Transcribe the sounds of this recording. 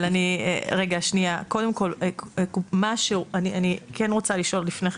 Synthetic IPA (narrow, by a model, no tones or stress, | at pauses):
laniḛʁe̞ɡaːʃniako̞d̪e̞mko̞lkumaʃeanianikʰenʁo̞t͡saliʃo̞llifneχ